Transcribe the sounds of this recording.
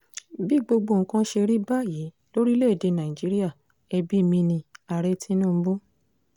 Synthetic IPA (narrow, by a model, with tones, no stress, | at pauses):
bi˦ɡ͡bo˧ɡ͡bo˧˨ŋ̩˨kã˧˦ʃe˧ɾi˦ba˦˨ji˨˦ | lo˦ɾi˦le˦˨de˧nã˨i˨d͡ʒi˨˦ɾi˦a˦˨ | ɛ˧bi˦˨mĩ˧nĩ˧a˧˨ɾɛ˧˦tʰĩ˦nũː˦˧˦bo˦